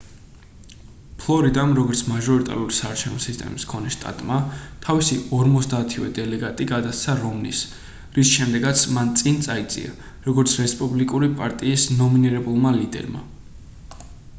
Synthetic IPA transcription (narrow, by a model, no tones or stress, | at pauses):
pʰlˠɔɾid̪amɾɔɡɔɾt̪sʰmaʒɔɾit̪ʼa̰ɾuɾisaːɾt͡ʃʰɛvnɔsist̪ʼɛ̰miskʰɔnɛʃt̪ʼa̰t̪ʼmat̪ʰavisiɔɾmɔt̪zd̪aːt̪ʰivɛd̪ɛlɛɡat̪ʼiɡad̪ast̪sʰaɾɔmnḭs | ɾisʃɛmd̪ɛɡat̪sʰmant̪sʼint̪sʼait̪sʼḭa̰ | ɾɔɡɔɾt̪sʰɾɛspʼublikʼuɾipʼaɾt̪ʼiːsnɔminiɾɛbulˠmalid̪ɛ̰ɾma̰